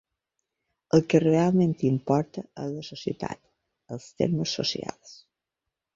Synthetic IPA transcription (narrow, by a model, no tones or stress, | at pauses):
əlˠkərealˠmẽnt̪impɔɾt̪əələsosiət̪a̰t̪ | əlˠst̪ḛɾməsːo̰sia̰lˠs